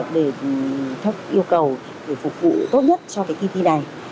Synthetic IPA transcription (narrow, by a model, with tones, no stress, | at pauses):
p̚ɗe˧˩˨t̪ʰə˦˥k̚ʔi˧əwkə˨˩w | zəː˧˩fʊ˨˩k͡p̚vṵ˧˨t̪o˦˥t̚ɲə˦˥t̚t͡ɕɔ˧kaː˨˦jki˧t̪i˧na˨˩j